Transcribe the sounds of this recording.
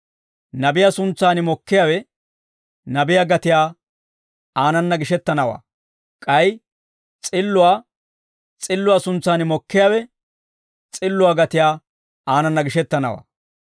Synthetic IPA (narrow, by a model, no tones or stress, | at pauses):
nɐbɪjaːsʊnt͡sːaːnɪmɔkːɪjaːwɛ | nɐbɪjaːɡɐt̪ɪjaː | aːnɐnːɐɡɪʃɛt̪ːɐnɐwa̰ː | kʼɐj | t͡sʼɪlːʊwaː | t͡sʼɪlːʊwaːsʊnt͡sːaːnɪmɔkːɪjaːwɛ | t͡sʼɪlːʊwaːɡɐt̪ɪjaː | aːnɐnːɐɡɪʃɛt̪ːɐnɐ̰wa̰ː